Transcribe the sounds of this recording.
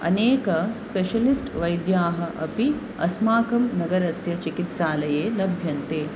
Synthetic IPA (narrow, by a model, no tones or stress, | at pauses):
ɐ̰neːkɐspeʃɐlisʈʋɐjd̪jaːɦɐʔɐ̰pi | ɐsmaːkɐmnɐɡɐɾɐsjɐt͡ʃikit̪ʃaːlɐjeːlɐbʱjɐnt̪eː